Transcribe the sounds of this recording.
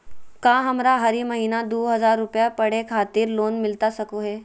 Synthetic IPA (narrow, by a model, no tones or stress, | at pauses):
kãːɦɐmɾaɦɐɾimɐɦiːnad̪oːɦɐzaːɾːʊpjapɐɽ̤ekʰaːt̪ɪːɾloːnmɪlt̪asɐkoɦɛː